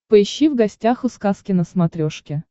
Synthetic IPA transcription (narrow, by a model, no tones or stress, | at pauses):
pəɪɕːivɡɐsʲtʲaxʊskaskʲɪnəsmɐt̪ɾʲoʂkʲɪ